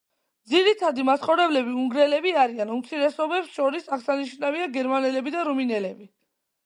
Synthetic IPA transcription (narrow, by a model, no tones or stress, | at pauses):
d̪ziɾit̪ʰad̪imasχɔvɾɛblɛbiuŋɡɾɛlɛbiaɾianumt̪sʰiɾɛsɔbɛpsʃɔɾisaʁsaniʃnaviaɡɛɾmanɛlɛbid̪aɾuminɛlɛbi